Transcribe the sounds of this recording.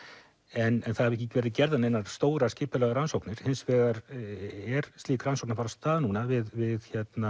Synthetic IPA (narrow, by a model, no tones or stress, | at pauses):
ɛnɛnθaðhavɛhcɪcvɛɾɪðɪcɛɾðanejnaɾ̥st̪oːwɾḁscɪːpʏlɛɣaɾansowknɪɾ̥hɪnsvɛːɣaɾ | ɛɾ̥st̪liːkɾansowknafaɾast̪aːðnuːnavɪðvɪðçjɛt̪na